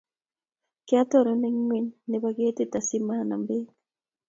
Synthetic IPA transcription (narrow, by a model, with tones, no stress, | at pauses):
kɪ˦a˦tɔ˦˨ɾɔ˨˦nɛ˦ŋŋwe˦ɲnɛ˨ba˨ɡe˦te˦ta˨si˦ma˦˨na̰˨mbe˦